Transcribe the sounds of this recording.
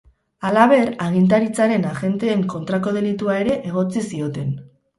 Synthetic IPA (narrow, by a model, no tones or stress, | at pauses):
alaβ̞e̞ɾaɣ̞int̪̬aɾit͡saɾe̞naʝe̞nt̪e̞ːŋko̞nt̪ɾako̞ð̞e̞lit̪uae̞ɾe̞ʔeɣ̞o̞t͡sisio̞t̪e̞n